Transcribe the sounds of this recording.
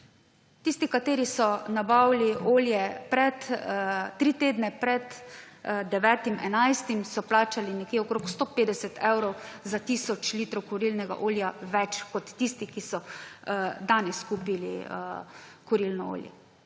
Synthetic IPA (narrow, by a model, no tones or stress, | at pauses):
t̪iːst̪ikat̪eːɾisɔnabawliʔoːljɛpɾɛt̪t̪ɾit̪eːd̪nɛpɾɛt̪ | d̪ɛʋɛːt̪imʔɛnajst̪imsɔplaːt͡ʃalinɛkjeɔkɾoːkst̪opeːd̪ɛsɛt̪ʰɛwɾɔwzat̪isɔt͡ʃliːt̪ɾɔwkɔɾiːlnɛɡa̰ʔoːljaʋɛt͡ʃkɔt̪ːiːst̪ikisɔ | d̪anɛskuːpilḭ | kɔɾilnɔo̰ːljɛ̰